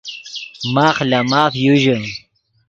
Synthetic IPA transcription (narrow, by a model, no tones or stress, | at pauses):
maːχlamaːfjuʑə